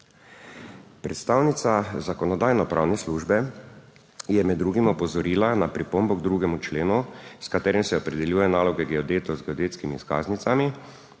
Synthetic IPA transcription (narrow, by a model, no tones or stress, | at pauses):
pɾɛt̪st̪aːwnit̪sazakɔnɔd̪aːjnɔpɾʔawnɛsluːʒbɛ | jɛmɛd̪ːɾuːɡimɔpɔzɔɾiːlanapɾipombɔɡd̪ɾuːɡɛmut͡ʃleːnuskat̪ɛːɾimsɛɔpɾɛd̪ɛljuːjɛnaːlɔɡɛɡɛɔd̪eːt̪ɔzɡɛɔd̪eːt̪skimiska̰ːznit̪sami